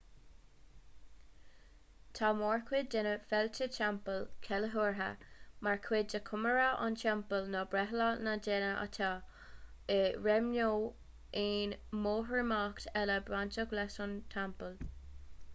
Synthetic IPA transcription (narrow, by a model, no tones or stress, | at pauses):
t̪ʰamɔːɹkʰwɪddɛnəfɛltət͡ʃʰampəlkʰɛləɦuɹɦa̰maɹkʰwɪdəkʰʊməɹaʔa̰nt͡ʃɛmpəlnɔbɹɛɦlanadɛnəʔa̰t̪ʰa | ɪɹɛmnoː | ʔeːnmoːɦəɹmaːkt̪ʰɛləbɹantəɡlɛsʊntʰampəl